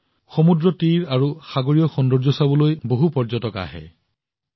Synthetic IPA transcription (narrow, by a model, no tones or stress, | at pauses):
xomudɹɔtiɹaɹuxaɡoɹijɔxɔndɔɹzɔsabɔlojboɦupɔɹd͡ʒɔtɔka̰ɦɛ̰